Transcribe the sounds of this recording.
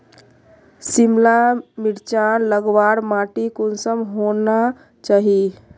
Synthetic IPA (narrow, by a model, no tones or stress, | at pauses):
simlamiɽt͡ʃanləɡwaɽmaʈikonsəmɦona | t͡ʃaɦi